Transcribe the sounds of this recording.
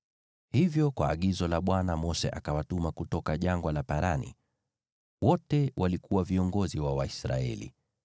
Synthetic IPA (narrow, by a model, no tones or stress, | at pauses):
hivjɔkwaːɠizɔlaɓwanamɔsɛ̰ʔakawatumakutɔkaʄaŋɡwalapaɾanḭ | wɔtɛwʔalikuwaviɔŋɡɔziwawaisɾa̰ɛ̰lḭ